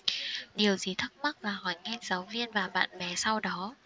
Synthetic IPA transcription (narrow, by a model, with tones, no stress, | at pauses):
ɗi˨˩əwzi˨˩t̪ʰə˦˥k̚mə˦˥k̚laː˨˩ɦɔ˨˩jŋɛ˧ŋz̥ə˨˦wvi˧ənvaː˨˩ɓa̰ː˧˨nmɛ˨˩˦sa˧wɗɔ˨˦